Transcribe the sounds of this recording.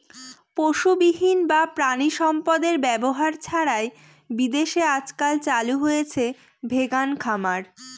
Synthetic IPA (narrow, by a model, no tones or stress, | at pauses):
poʃubiɦinbapɾaniʃɔmpad̪eɾbɛboɦaɾt͡ɕʰaɾae | bid̪eʃead͡ʑkalt͡ɕaluɦojet͡ɕʰe | bʱeɡankʰamaɾ